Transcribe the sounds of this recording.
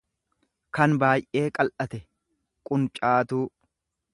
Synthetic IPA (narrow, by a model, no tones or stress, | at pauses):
kɐnbaːjʔʔe̞ːkʼɐlʔɐt̪ɛ | kʼʊnt͡ʃʼaːt̪uː